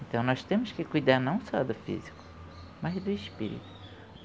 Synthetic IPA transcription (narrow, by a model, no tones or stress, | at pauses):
ẽnt̪ɐ̃w̃nɔst̪ẽmʊskɪkujd̪aɾnɐ̃w̃sɔd̪ʊfḭzikʊ̥ | mazd̪ʊɪʃpḭɾḭt̪ʊ̥